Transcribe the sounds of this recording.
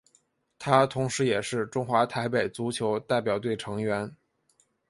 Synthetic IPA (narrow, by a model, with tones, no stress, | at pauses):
t̪ʰa˥t̪ʰʊ˧˥ŋʂɻ̩˧˥jɛ˨˩ʂɻ̩˥˩ʈ͡ʂʊ˥ŋxwa˧˥t̪ʰa˧˥ɪpe˨˩ɪt͡su˧˥t͡ɕʰjo˧˥ʊt̪a˥˩ɪp̬jɑ˨˩ʊt̪we˥˩ɪʈ͡ʂʰɤ˧˥ŋɥɛ˧˥n